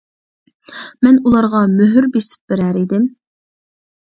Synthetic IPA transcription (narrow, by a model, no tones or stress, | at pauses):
mɛnulˠɑɾʁɑmøɦyɾbesɪ̥p̚b̥ɪɾæɾid̪ɪm